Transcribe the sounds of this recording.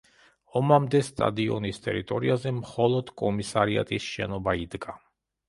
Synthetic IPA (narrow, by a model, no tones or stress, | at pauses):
ɔmamd̪ɛst̪ʼa̰d̪iɔ̰nist̪ʼɛ̰ɾit̪ʼɔɾiazɛmχɔlˠɔd̪̥kʼɔmisaɾia̰t̪ʼisʃɛnɔbaid̪ɡa